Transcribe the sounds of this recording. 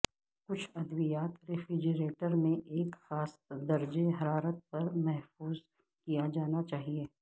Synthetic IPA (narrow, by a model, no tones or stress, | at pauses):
kʊt͡ʃʰɐd̪ʋijaːt̪ɾɪfɾɪd͡ʒəɾeːʈəɾmẽʔeːkxaːsd̪ɐɾd͡ʒeɦɐɾaːɾət̪̚pɐɾmɛɦfuːz | kijad͡ʒaːnat͡ʃaːɦieː